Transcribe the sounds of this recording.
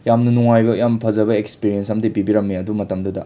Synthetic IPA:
jamnɐnuŋajbɐjampʰɐzɐbɐekspiɾiensɐmdipibiɾɐmːiɐdumɐtɐmdudɐ

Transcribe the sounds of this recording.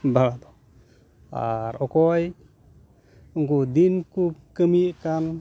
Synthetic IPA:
balad̪ɔ | a̰ɾɔkɔj | uŋkud̪inkukəmikan

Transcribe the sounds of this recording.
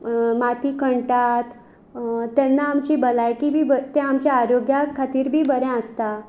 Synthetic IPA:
mat̪iːkəɳʈat̪ | t̪ːɛnːaːmt͡ɕibəlajkibʱibət̪ẽamt͡ɕaaɾoɡjakʰat̪iːɾbʱiːbəɾɛ̃əst̪a

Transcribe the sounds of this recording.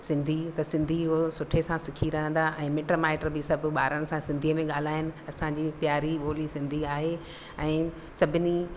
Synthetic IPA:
sɪ̃nd̪ʱit̪ɐsɪ̃nd̪ʱiɦosʊʈʰesãsɪkʰiɾɐɦə̃nd̪aʔɛ̃ːmeːʈɾomaːɪʈəɾbɪsɐbʱʊ̆ɓaːɾənɪ̆sãsɪ̃nd̪ʱiəmẽɠaːl̤aːɦɪnɪ̆ɐsãɲd͡ʑipjaːɾiɓoːlisɪ̃nd̪ʱiaːɦe | ɛ̃ː | sɐbʱɪni

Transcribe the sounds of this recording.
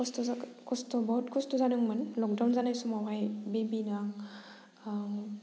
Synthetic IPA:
stkʰɔstɔbɔt̚kʰustɔzanɯŋmanlɔk̚dawnzanajsumawɦajbebinaŋ

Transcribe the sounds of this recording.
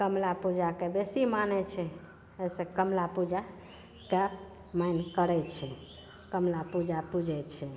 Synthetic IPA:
kəmlapud͡ʒakebesimanɛt͡ʃʰɛ | əjsẽkəmlapud͡ʒa | ke | majnkəɾɛt͡ʃʰɛ | kəmlapud͡ʒapud͡ʒɛt͡ʃʰɛ

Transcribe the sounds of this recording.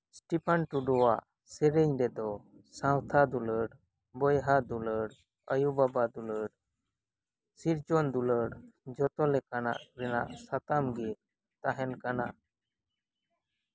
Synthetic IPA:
sʈipʰanʈuɖɔwaʔ | sɛɾɛɲɖɛd̪ɔsãwt̪ʰad̪uləɽ | bɔjɦad̪uləɽ | əjubabad̪uləɽ | siɾd͡ʒɔnd̪uləɽd͡ʒɔt̪ɔlɛkana̰ʔɾɛna̰ʔsat̪amɡi | t̪aɦɛnkana

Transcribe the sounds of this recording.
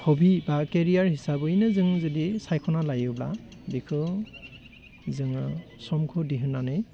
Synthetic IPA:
hɔbʱibakeɹiaɹhisabɯjnɯzɯŋzɯdisajkʰɔnalajɯbla̰bikʰɯ | zɯŋɯsɔmkʰudiɦɯnːanɯj

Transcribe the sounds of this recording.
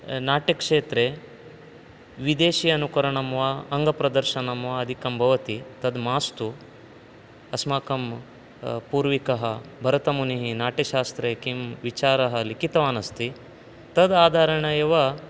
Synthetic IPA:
naːʈɐkʂeːt̪ɾe | ʋid̪eːʃijɐnukɐɾɐɳɐmʋaɐŋɡɐpɾɐd̪ɐɾʃɐnɐmʋɐɐd̪ʱikɐmbʱɐʋɐt̪it̪ɐd̪maːst̪u | ɐsmaːkɐm | puːɾʋikɐɦɐbʱɐɾɐt̪ɐmuniɦinaːʈɐʃaːst̪ɾekimʋit͡ʃaːɾɐɦɐlikit̪ɐʋaːnɐst̪i | t̪ɐd̪aːd̪ʱaːɾɐɳɐjeʋɐ

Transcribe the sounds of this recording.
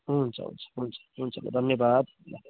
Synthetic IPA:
ɦunt͡sʰʌ̰ɦṵnt͡sʰʌ̥ɦunt͡sʰʌ̥ɦunt͡sʰʌmḛd̪ʱʌnjʌbad̪ | a

